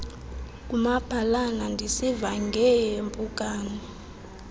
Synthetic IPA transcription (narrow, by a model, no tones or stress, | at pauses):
k̬ʼumab̥ʱalanandʱisivaŋɡʱɛjempʼukʼaːni